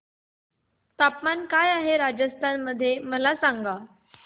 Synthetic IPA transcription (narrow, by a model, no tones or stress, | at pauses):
t̪apmankajaɦeɾad͡ʑəst̪ʰanməd̪ʱːjeməlasãŋɡa